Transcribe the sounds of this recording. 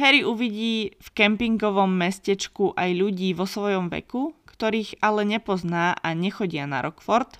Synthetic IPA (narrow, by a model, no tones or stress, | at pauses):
ɦɛɾiʔuʋiɟiːfkɛmpiŋɡɔʋɔmːɛscɛt͡ʃkuʔajʎuɟiːʋɔsʋɔjɔmʋɛ̰kukt̪ɔɾiːɣalɛɲɛpɔznaːʔaɲɛxɔɟɪana̰ɾɔkfɔɾt̪